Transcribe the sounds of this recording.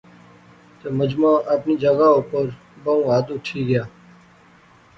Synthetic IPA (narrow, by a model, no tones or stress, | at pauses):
t̪eːməd͡ʒmãːʔəpniːd͡ʒəɡaːopəɾ | bəũːaːd̪ʊʈʰiːɡɪjaː